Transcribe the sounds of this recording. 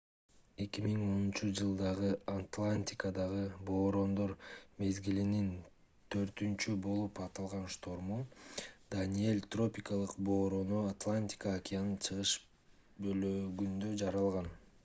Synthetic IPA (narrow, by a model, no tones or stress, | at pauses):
e̞kʲimiŋo̞nunt͡ʃud͡ʒɯlˠd̪ɑʁɯat̪lˠanʲt̪ʲɪkəd̪ɑʁɯbo̞ːɾo̞nd̪o̞ɾme̞zɡilinin | t̪ʰø̞ɾt̪ynt͡ʃybo̞lˠupɑt̪ɑlˠʁɑnʃt̪o̞ɾmud̪anʲie̞lʲt̪ro̞pʲɪkalˠɯqbo̞ːɾo̞noat̪lˠanʲt̪ʲɪ̥kaakʲijanɯnt͡ʃʰɯʁɯʃ | bøløɡynd̪ø̞d͡ʒɑɾɑlˠʁɑn